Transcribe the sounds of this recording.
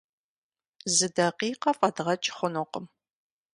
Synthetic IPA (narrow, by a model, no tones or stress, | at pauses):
zɨdɐqiːqɐfʼɐdʁɐt͡ʃʼχʷʊnʊqəm